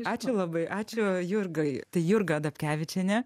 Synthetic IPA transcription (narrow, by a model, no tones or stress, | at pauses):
ɑːt͡ʃʲʊlˠɐbɐɪʔɑːt͡ʃʲʊjʊrɡɐɪt̪ɐɪjʊrɡɐd̪ɐpʲkʲæːʋʲɪt͡ʃʲɛnʲɛ